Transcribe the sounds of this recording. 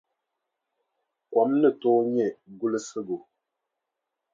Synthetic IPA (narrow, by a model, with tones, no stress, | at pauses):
kwɔ˨˦mnə˦˨to˦ɲɛ˦˨ɡu˦lə˦sə˦ɡo˨